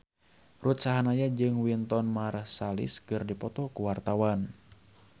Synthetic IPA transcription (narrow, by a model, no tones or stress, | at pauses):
rut̪̚saɦanajad͡ʒɨŋwint̪ɔnmarsalḭskɨrdipɔt̪ɔkuwart̪awan